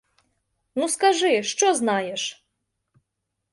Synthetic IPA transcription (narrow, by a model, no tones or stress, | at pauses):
nuskaʐɨʂt͡ʂɔznajɛʂ